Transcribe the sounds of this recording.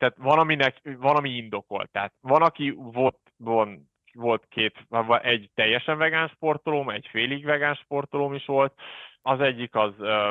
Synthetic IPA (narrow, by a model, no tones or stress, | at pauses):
t̪aːt̪vɒnɒminɛkvɒnɒmiind̪o̞ko̞̰lt̪ːaːt̪vɒnɒkivo̞lt̪von | vo̞lt̪kʰeːt̪vʔɛɟt̪ɛjːɛʃɛɱvɛɡaːnʃpo̞rt̪olomɛɟfeːliɡvɛɡaːnʃpo̞rt̪olomiʃʋo̞lt̪ɒzɛɟːikɒz